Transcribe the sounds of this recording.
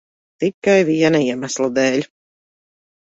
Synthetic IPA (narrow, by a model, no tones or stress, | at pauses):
t̪ikːajviɛnaiɛmæslˠad̪ɛːlʲ